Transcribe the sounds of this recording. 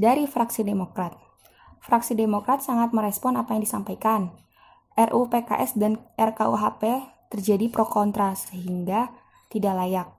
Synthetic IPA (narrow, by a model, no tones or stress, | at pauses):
daɾifɾaksidemokɾat̪̚ | fɾaksidemokɾat̪̚saŋat̪̚məɾɛspɔnapajaŋdisampajkan | ʔɛrʔupeka̰ʔɛsdanʔɛrkauɦapet̪ərd͡ʒadipɾokɔnt̪ɾasəɦiŋɡa | t̪idaʔlajak̚